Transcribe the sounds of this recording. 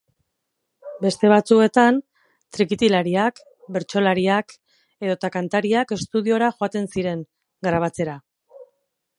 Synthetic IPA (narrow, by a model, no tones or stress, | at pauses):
be̞st̪e̞β̞at͡sue̞t̪an | t̪ɾikit̪ilaɾiak | be̞ɾt͡ʃo̞laɾiak | e̞ðo̞t̪akant̪aɾiake̞st̪uðio̞ɾaʝo̞at̪e̞nsiɾe̞ŋ | ɡɾaβ̞at͡se̞ɾa